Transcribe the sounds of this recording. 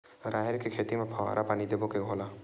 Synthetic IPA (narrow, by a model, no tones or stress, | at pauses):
ɾajeɾkekʰet̪imepʰɔa̰ɾʔapanid̪ebokeɡʱɦola